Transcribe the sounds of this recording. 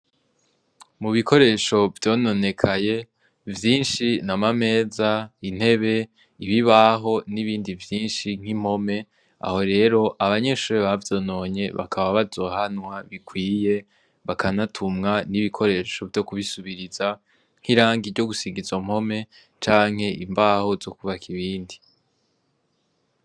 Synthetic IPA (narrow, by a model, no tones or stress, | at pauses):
muβikʰo̞ɾe̞ːʃo̞vjo̞ːno̞ne̞kʰaje̞ | vjiːnʃinamame̞ːzain̥he̞βe̞ | iβiβaɦo̞niβiːndivjiːnʃiŋ̥im̥ho̞me̞ | a̰ho̞ɾe̞ːɾo̞ʔaβaɲe̞ʃuːɾeβavjo̞ːno̞ːɲe̞βa̰kʰaβaβazo̞ːhanwaβikʰwiːje̞ | βakanatʰumŋaniβikʰo̞ɾe̞ːʃo̞vjo̞kuβisuβiɾiza | ŋ̥hiɾaːŋɡiɾɟo̞ɡusiɡizom̥ho̞me̞ | t͡ʃaːŋ̥he̞imbaːho̞zo̞kuβakʰiβiːndi